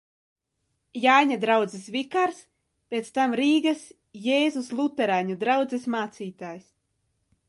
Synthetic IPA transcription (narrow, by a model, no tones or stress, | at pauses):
jaːjɲad̪ɾawd̪zɛsvikaɾs | pʲet̪st̪amɾiːɡas | jeːzuslˠut̪ɛɾajɲad̪ɾawd̪zɛsmaːt̪siːt̪aːjs